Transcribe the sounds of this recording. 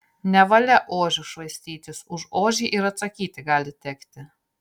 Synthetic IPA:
nʲɛʋɐlʲɛʔoːʒʲʊʃʋɐɪsʲt̪ʲiːt̪ʲɪsʊʃoːʒʲiːʔɪɾɐt̪sɐkʲiːt̪ʲɪɡɑːlʲɪt̪ʲɛkt̪ʲɪ

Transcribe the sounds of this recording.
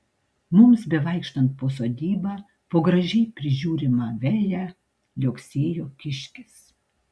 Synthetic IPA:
mʊmsbʲɛʋɐɪkʃt̪ɐnt̪̚poːsoːd̪ʲiːbɑː | poːɡɾɐʒʲɛɪpʲɾʲɪʒʲuːɾʲɪmɑːʋʲæːjæ | lʲoːksʲeːjoːkʲɪʃʲkʲɪs

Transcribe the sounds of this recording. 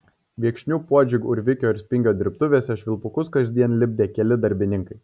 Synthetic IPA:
ʋʲiɛkʃʲnʲuːpuɔd͡ʒʲɪɡʊɾʲʋʲɪkʲoːɪɾʲsʲpʲɪŋʲɡʲoːd̪ʲɪɾʲpt̪ʊʋʲeːsʲɛʃʲʋʲɪlˠpʊkʊskɐzʲd̪ʲiɛnlʲɪbʲd̪ʲeːkʲɛlʲɪd̪ɐɾʲbʲɪnʲɪŋkɐɪ

